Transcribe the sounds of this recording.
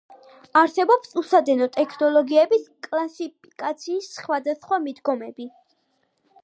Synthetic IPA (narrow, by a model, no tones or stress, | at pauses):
aɾsɛbɔpsusad̪ɛnɔt̪ʼɛkʰnɔlˠɔɡiɛbiskʼlˠasip̚ʰikʼat̪sʰiːsːχwad̪asχwamid̪ɡɔmɛbi